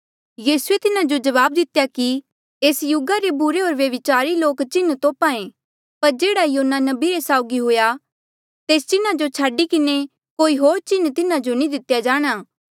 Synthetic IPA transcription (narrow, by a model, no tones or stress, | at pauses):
jiːsuet̪ɪnad͡ʒod͡ʒɐʋaːb̚d̪ɪt̪jaki | eːsjʊɡaɾebʊɾeɦoːɾʋjɐʋɪt͡ʃaːɾiloːkt͡ʃɪnt̪oːpãːẽ | pɐɾd͡ʒeːɽajoːnːanɐbiɾesaːʊɡiɦʊja | t̪eːst͡ʃɪnad͡ʒot͡ʃʰaːɖikɪne | koːiɦoːɾt͡ʃɪnt̪ɪnad͡ʒonĩd̪ɪt̪jad͡ʒaːɽ̃aː